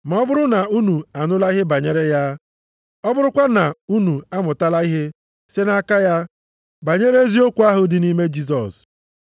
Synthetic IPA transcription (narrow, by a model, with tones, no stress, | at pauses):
ma˨ɔ˦bʊ˦ɾʊ˦na˨u˦nu˨a˨nʊ˦la˦i˦ɦe˦ba˨ɲe˦ɾe˦ja˦ | ɔ˦bʊ˦ɾʊ˦kʷa˦na˨u˦nu˨a˦mʊ˨ta˦la˦i˦ɦe˦ | se˦na˦ka˦ja˦ | ba˨ɲe˦ɾe˦e˦zi˦o˦kʷu˨˦a˦ɦʊ˨dɪ˨ni˦me˦d͡ʒi˦s̬ɔ̰˨s